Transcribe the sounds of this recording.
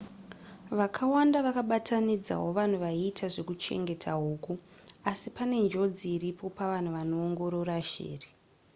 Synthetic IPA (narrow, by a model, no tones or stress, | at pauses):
ʋakʰawandaʋakaɓatʰanid͡za̰ɦo̞ʋan̤uʋaiːtʰaʐe̞kut͡ʃe̞̰ŋɡe̞tʰaɦuːkuasipane̞nd͡ʒo̞d͡ziːɾipo̞paʋan̤uʋano̞ːŋɡo̞ɾo̞ɾaʃḛːri